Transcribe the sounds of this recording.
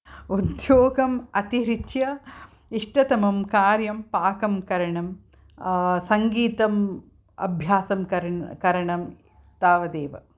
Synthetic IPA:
ud̪joːɡɐmɐt̪iɾit̪jɐ | iʂʈɐt̪ɐmɐmkaːɾjɐmpaːkɐmkɐɾɐɳɐm | sɐŋɡiːt̪ɐm | ɐ̰bʱjaːsɐmkɐɾkɐɾɐɳɐm | t̪aːʋɐd̪eːʋɐ̰

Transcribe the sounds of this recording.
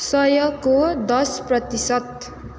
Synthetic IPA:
sʌjʌkːod̪ʌsprʌt̪isʌt̪̚

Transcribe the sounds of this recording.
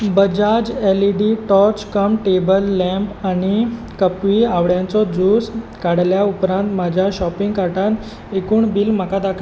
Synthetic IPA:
bəd͡ʑad͡ʑɛliɖiʈɔt͡ɕkəmʈebəlːɛ̃mpañi | kəpʋiaʋɽjãnt͡sɔd͡zuskaɽljaupɾãnt̪mad͡ʑʱjaɕɔpiŋɡkaʈan | ekuːɳbiːlm̤əkad̪akʰ

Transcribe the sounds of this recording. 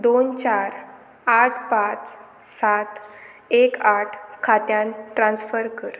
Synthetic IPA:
d̪ont͡ɕaɾ | aʈʰpat͡s | sat̪ | ekaʈʰkʰat̪jãnʈɾãnsfəɾkəɾ

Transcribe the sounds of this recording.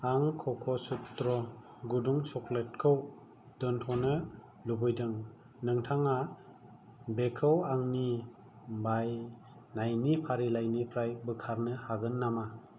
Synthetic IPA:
aŋkʰɔkʰɔsut̪ːɾɔ | ɡuduŋsɔklet̚kʰɯw | d̥ɔntʰɔnɯ | lubɯjdɯŋ | nɯŋtʰaŋa | bekʰɯwaŋni | baj | najnipʰaɾilajnipʰɾajbɯkʰaɾnɯhaɡɯnːama

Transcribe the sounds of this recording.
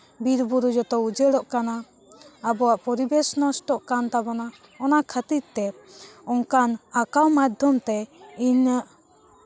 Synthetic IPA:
biɾbuɾud͡ʒɔt̪ɔud͡ʒeɽɔʔkanaː | bɔwaʔpɔɾibɛsnɔsʈɔʔkant̪abɔna | ɔnakʰət̪iɾt̪ɛ | ɔŋkanakawmad̪ʱɔmt̪ɛiɲəʔ

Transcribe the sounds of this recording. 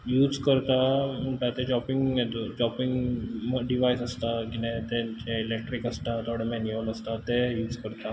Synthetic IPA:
juːd͡zkəɾt̪amuʈ̪at̪ed͡ʑɔpiŋɡed̪od͡ʑɔpiŋɡɖiʋajsəst̪aɡinẽt̪ɛt͡ɕeilek̚ʈɾikəst̪at̪ʰoɽemɛnioləst̪at̪ejuːd͡zkəɾt̪a

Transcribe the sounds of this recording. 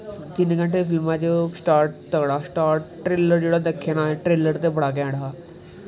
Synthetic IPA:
d͡ʒɪnkə̃ɳʈeːpʰɪlmãːt͡ʃoːsʈaːɾʈ̚t̪əkɽaːsʈaːɾʈːɾeːləɾd͡ʒeːɽaːd̪əkʰːenaːʈɾeːləɾt̪eːbəɽaːk̬ɛ̃ːɽaː

